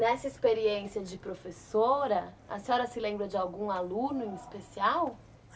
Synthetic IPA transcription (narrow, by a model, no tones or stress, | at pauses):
nɛsɐispeɾiẽsiɐd͡ʒɪpɾofesoɾɐ | ɐ̰sɔɾɐsɪlẽmbɾɐd͡ʒɪawɡũalũnʊẽispesiaw